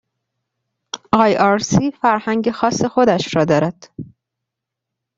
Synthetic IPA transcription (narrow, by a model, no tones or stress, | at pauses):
ʔɒːjɒɾsiːfæɾhæŋɟexɒːsːe̞xod̪æʃɾɒːd̪ɒːɾæd̪̥